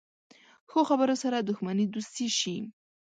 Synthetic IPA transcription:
xoxabəɾosaɾad̪ʊxmanid̪ust̪iʃi

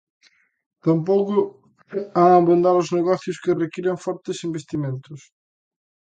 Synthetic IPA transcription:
t̪ampowkʊ | aŋabund̪aɾʊzneɣɔθjʊskɪrekiɾeɱfɔɾt̪ɪsimbest̪imẽnt̪ʊs

